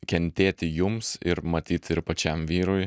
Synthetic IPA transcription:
kʲɛnʲt̪ʲeːt̪ʲɪjʊmsɪ̰ɾmɐt̪ʲiːt̪ʲɪɾpɐt͡ʃʲɛmʋʲiːɾoj

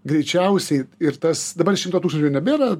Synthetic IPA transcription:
ɡɾʲɛɪt͡ʃʲɛʊsʲɛɪɪɾt̪ɐsd̪ɐbɐɾʃʲɪmt̪oːtuːksnt͡ʃʲʊɪnʲɛbʲeːɾɐ

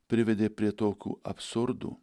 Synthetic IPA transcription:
pʲɾʲɪʋʲɛd̪ʲeːpʲɾʲiɛt̪oːkʲṵːɐpsʊɾd̪ṵː

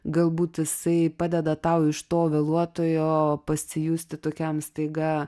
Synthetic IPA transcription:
ɡɐlˠbuːt̪ɪsɐɪpɑːd̪ʲɛd̪ɐt̪ɐʊɪʃt̪oːʋʲeːlˠuɔt̪oːjoːpɐsʲɪjuːsʲt̪ʲɪt̪oːkʲɛmst̪ɐɪɡɑː

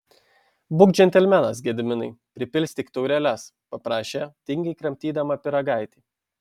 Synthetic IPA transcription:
bʊkd͡ʒʲɛnʲt̪ʲɛlʲmʲɛnɐsɡʲɛd̪ʲmʲɪnɐɪpʲɾʲɪpʲɪlʲsʲt̪ʲɪkt̪ɐʊɾʲɛlʲɛs | pɐpɾɑːʃʲeːt̪ʲɪŋʲɡʲɐɪkɾɐmʲt̪ʲiːd̪ɐmɐpʲɪɾɐɡɑˑɪt̪ʲiː

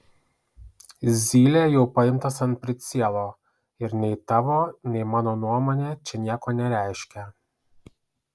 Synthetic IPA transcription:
zʲiːlʲejɛʊpɐɪmt̪ɐsɐnt̪̚pʲɾʲɪt̪sʲiɛlˠoː | ɪɾnʲɛɪt̪ɑʋoːnʲɛɪmɑːnoːnuɔmoːnʲeːt͡ʃʲɛnʲiɛkoːnʲɛɾʲæˑɪʃʲkʲɛ

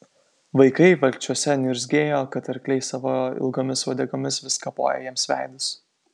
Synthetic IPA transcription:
ʋɐɪkɐɪʋɐlʲt͡ʃʲuɔsʲɛnʲʊɾʲzʲɡʲeːjoːkɐt̪ɐɾʲkʲlʲɛɪsɑʋoɪ̰lˠɡoːmʲɪsʋɐd̪ʲɛɡomʲɪsʋʲɪskɐpo̰ːjɛ̰jɛmsʋʲæˑɪd̪ʊs

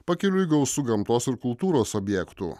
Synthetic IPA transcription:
pɐkʲɪlʲʊiɡɐʊsʊɡɐmt̪oːsɪɾkʊlˠt̪uːɾoːsɔbʲjɛkt̪ʊ̰

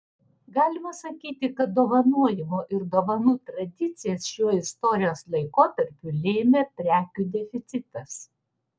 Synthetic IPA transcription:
ɡɑːlʲɪmɐsɐkʲiːt̪ʲɪkɐt̪̚d̪oːʋɐnuɔjɪmoːʔɪɾd̪oːʋɐnuːt̪ɾɐd̪ʲɪt̪sʲɪjɛsʃʲuɔɪst̪ɔɾʲɪjoːslˠɐɪkoːt̪ɐɾʲpʲuˑlʲeːmʲeːt̪ʲɾʲæːkʲuːd̪ʲɛfʲɪt̪sʲɪt̪ɐs

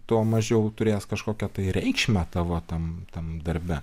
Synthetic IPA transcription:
t̪oːmɐʒʲɛʊt̪ʊɾʲeːskɐʃkoːkʲɛt̪ɐɪɾʲɛɪkʃʲmʲæt̪ɐʋoːt̪ɐmt̪ɐmd̪ɐɾʲbʲɛ

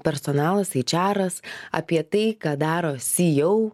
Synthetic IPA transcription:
pʲɛɾsɔːnɑːlˠɐsɐt͡ʃʲæːɾɐsɐ̰pʲiɛt̪ɐɪkɑːd̪ɑːɾoːsʲijɛʊ

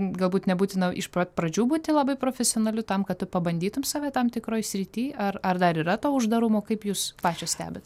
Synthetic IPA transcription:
ɡɐlˠbuːt̪nʲɛbuːt̪ʲɪnɐʔɪʃpopɾɐd͡ʒʲuːbuːt̪ʲɪlˠɐbɐɪpɾoːfʲɛsʲɪoːnɐlʲʊt̪ɐmkɐt̪t̪ːʊpɐbɐnʲd̪ʲiːt̪ʊmsɑːʋʲɛːt̪ɐmt̪ʲɪkɾoːjsʲɾʲɪt̪ʲiːɐrɐrd̪ɐɾiːɾɐt̪oːʊʒd̪ɐɾʊmoːkɐɪpjuːspɑːt͡ʃʲoːsʲt̪ʲæ̰ːbʲɛt̪

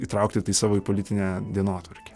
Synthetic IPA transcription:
iːt̪ɾɐˑʊk̚t̪ʲɪt̪ɐɪsɑːʋoːipolʲɪt̪ʲɪnʲɛːd̪ʲiɛnoːt̪ʋɐɾʲkʲɛ̥

